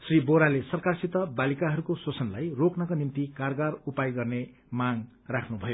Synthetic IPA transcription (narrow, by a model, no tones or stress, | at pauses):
sriboɾalesʌrkarsit̪ʌbalikaɦʌɾukosot͡sʌnlajroknʌkonint̪ikarɡarupajɡʌrne | maŋ | rakʰnubʱʌjo